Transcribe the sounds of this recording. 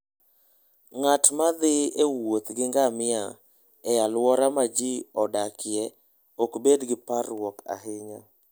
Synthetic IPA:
ŋatmad̪ɪewot̪ɡɪŋɡamɪa̰ | ɛalwɔɾamad͡ʒiɔdakʰɪɛ | okbedɡɪparwɔka̰ɦɪɲa

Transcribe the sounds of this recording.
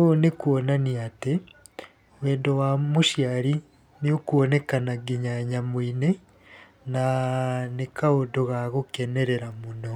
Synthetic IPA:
onekuonaniate | weːndowamuʃjaɾi | niokuonekanaɡiɲaɲamwiːne | nanekaodoɣaɣokeneɾeɾamuno

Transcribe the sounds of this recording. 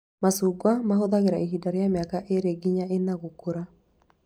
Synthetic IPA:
masuɡwamaɦod̪aɣeɾaiɦidaɾjamjakaʔeɾeɡiɲaenaɡukuɾa

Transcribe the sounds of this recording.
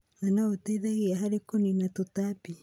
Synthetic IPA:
anaotaiðaɣiaɦaɾekoninatotapi

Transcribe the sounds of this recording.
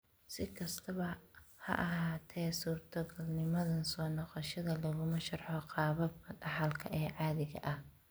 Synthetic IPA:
sɪkʰɐst̪ʰɐβɐhɐ̰ʔɐɦaːt̪ʰɛsuːrt̪ʰɐɡɐlnɪmɐðɐnsɔːnɔqɑʃɐðɐlɐɣʊmɐʃɐrħɔqɑːβɐbɐɖɑħɐlkʰɐ̰ʔɛːʕɑːðɪɣɐ̰ʔɐh

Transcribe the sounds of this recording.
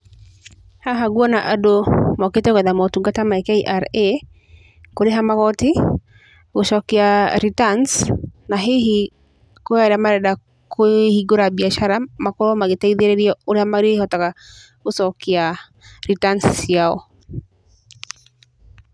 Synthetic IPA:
haɦaɡuɔnaʔadomɔketekwɛðamɔtuɡatamaɛkeiʔaɾe | koɾeɦamaɣɔti | koʃɔkiaɾitansnaɦei | koaɾamaɾɛda | kʰohiɡoɾabiaʃaɾamakɔɾɔmaɡetaiðeɾeɾiɔoɾeamaɾihɔtaka | kosɔkia | ɾitansjaɔ̰

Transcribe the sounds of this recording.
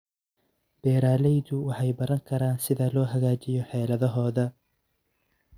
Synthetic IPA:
b̥ɛːɾaːlɛjðʊwɑħɑjbɐɾɐŋkʰɐɾaːnsɪðɐlɔːɦɐɣaːt͡ʃɪjɔħɛːlɐðɐɦɔːðɐ

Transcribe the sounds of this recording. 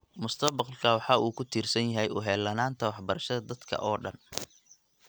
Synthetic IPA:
mʊst̪ʰɐbɑqlkʰɐwɑħɑːʔuːkʰʊt̪ʰiːrsɐnjɐɦɛjʊɦɛːlɐnaːnt̪ʰɐwɑħbɐɾɐʃɐðɐd̪ɐd̪kʰɐ̰ʔɔːɖɐn

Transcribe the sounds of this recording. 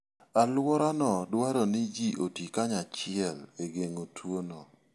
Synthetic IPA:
alwɔɾanɔdwaɾɔnɪd͡ʒiʔotikaɲat͡ʃɪɛleɡeŋotʰwonɔ

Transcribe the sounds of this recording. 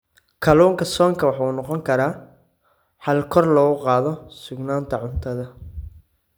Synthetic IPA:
kʰɐluːŋkʰɐsɔːŋkʰɐwɑħuːnɔqɔŋkʰɐɾaː | ħɐlkʰɔrlɔːɣʊqɑːðɔsʊɡnaːnt̪ʰɐʕʊnt̪ʰɐðɐ

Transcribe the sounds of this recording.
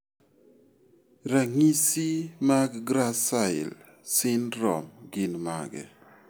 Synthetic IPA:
ɾaŋisimaɡɡɾasaɪ̰l | sɪnɾɔ̰mɡɪnma̰ɡɛ̰

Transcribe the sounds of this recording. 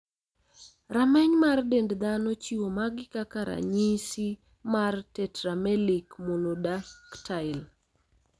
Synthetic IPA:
ramɛɲmardendd̪anot͡ʃiwomaɡɪkakaɾa̰ɲisi | martɛtɾamɛlikmolodaktʰaɪl

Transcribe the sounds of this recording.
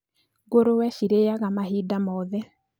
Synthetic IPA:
ɣoɾowɛʃiɾejaɣamaɦidamɔðɛ

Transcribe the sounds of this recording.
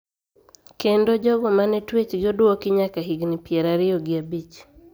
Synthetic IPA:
kendod͡ʒɔɡɔmanɛtwet͡ʃɡɪɔdwokɪɲakaɦiɡnɪpjɛɾaɾɪoɡɪabit͡ʃ

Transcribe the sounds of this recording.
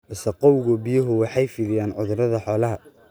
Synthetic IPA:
ʔɪsɐqɔwɣʊbɪjɐɦʊwɑħɑjfɪːðɪjaːnʕʊðʊɾɐðɐħɔːlɐɦɐ

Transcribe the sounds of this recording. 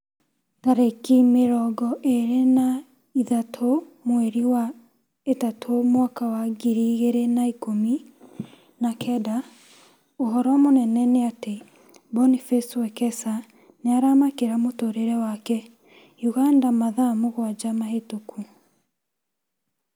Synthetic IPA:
taɾekimeɾɔɡɔʔeɾena | iðatʰomweɾiwa | etatʰomwakawaɡiɾiɣeɾenaikomi | nakʰɛda | oɦɔɾɔamonɛnɛneate | bɔnifɛstwɛkɛsa | neaɾamakeɾamotoɾeɾɛwakɛ | juɣandamaðamoɣwad͡ʒamaɦetokʰu

